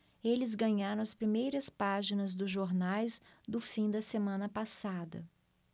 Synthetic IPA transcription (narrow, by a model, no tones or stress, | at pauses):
elɪzɡɐ̃ɲaɾõɐspɾimejɾɐspaʒinɐzd̪ʊzʒoɾnajzd̪ʊfĩd̪ɐsemɐ̃nɐpasad̪ɐ̰